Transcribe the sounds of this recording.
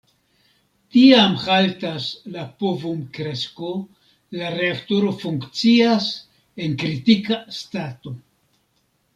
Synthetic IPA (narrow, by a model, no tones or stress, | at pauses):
tiamhaltaslapovumkɾe̞sko̞ | laɾe̞aktoɾo̞fuŋkt͡sias | e̞nkɾitikastato̞